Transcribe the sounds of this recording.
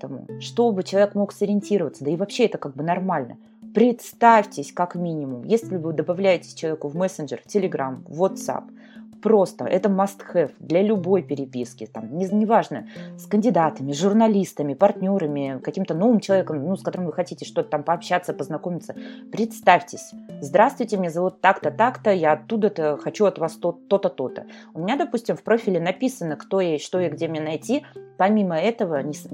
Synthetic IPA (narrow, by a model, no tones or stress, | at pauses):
t̪əmʊ̰ʂt̪o̞bɨt͡ɕɪlˠɐvʲekmo̞ksəɾʲɪɪnʲtʲiɾəvət̪səd̪əɪvɐpɕːeɛt̪əkaɡ̚bɨnɐrmalʲnə̰ | pɾʲɪt̪st̪afʲtʲɪsʲkakmʲinʲɪmʊmjesʲlʲɪvɨd̪əbɐvlʲæjɪtʲɪ̥sʲt͡ɕɪlˠɐvʲekʊvmɛsʲɪnʐɪrtʲɪlʲɪɡɾamvot̪sa̰pː | ɾo̞st̪ə̰ʔɛt̪əmɐst̪xɛfd̪lʲɐlʲʊbo̞jpʲɪɾʲɪpʲiskʲɪt̪amnʲɪnʲɪvaʐnəskənʲdʲɪd̪at̪əmʲɪzʐʊrnɐlʲist̪əmʲɪpɐrtʲnʲo̞ɾəmʲɪkɐkʲimt̪əno̞vɨmt͡ɕɪlˠɐvʲekəmnuskɐt̪o̞ɾɨmvɨxɐtʲitʲɪʂt̪o̞t̪ə̥t̪ampəɐpɕːat̪səpəznɐko̞mʲɪt̪səpɾʲɪt̪st̪afʲtʲɪsʲzd̪ɾast̪vʊjtʲɪmnʲezɐvut̪ːakt̪ət̪akt̪əjaɐt̪ːud̪ət̪əxɐt͡ɕuɐt̪vast̪ot̪ːo̞t̪ət̪o̞t̪ə̰ʊmʲɪnʲad̪ɐpusʲtʲɪmfpɾo̞fʲɪlʲɪnɐpʲisənːəkt̪o̞jeʂt̪o̞jeɡdʲemʲɪɲʲenɐjtʲipɐmʲiməɛt̪əvənʲɪs